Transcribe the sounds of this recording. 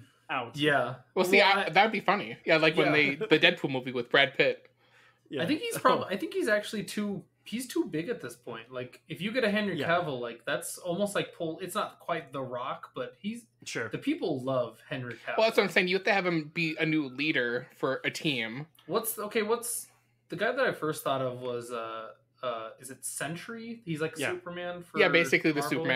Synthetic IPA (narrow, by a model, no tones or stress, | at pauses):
ajæwɛlˠsiaðɨwd̚bifʌnijælaɪkwɨ̃nðeɪðɨdɛd̚pʰulˠmuviwɨðbɹɛd̚pʰɪt̚ | aɪθɪ̃ŋkhiz̥pʰɹ̥ɑbaɪθɪ̃ŋkhizæk̚t͡ʃʉl̩ˠitʰu | hiz̥tʰubɪɡɨt̪̚ðɪspʰɔ̃ɪ̃ntlaɪkɨfjɨɡɛɾɨɦɛ̃nɹikʰævl̩ˠlaɪk̚ðætsɔlˠmoʊstlaɪk̚pʰʊlˠɨtsnət̚kʰw̥aɪt̪̚ðəɹɑkb̥ʌt̚hiz | ʃʊɹðɨpʰipl̩ˠlʌv̥hɛ̃nɹikʰæɛlˠðætsʌ̃sẽɪ̃ŋjɨwɛd̚tɨɨvɨ̃mb̥iɨnʉliɾə˞fə˞ʔɨtʰĩm | wʌtsoʊkʰeɪwʌts | ðɨɡaɪðɨɾaɪfɜ˞st̪̚θɔɾʌvwʌzʌ | ʌɨzɨtsɛ̃nt͡ʃə˞ihizlaɪkəjsʉpə˞mæ̃nfəjæbeɪsɨkliðɨsʉpə˞mæ̃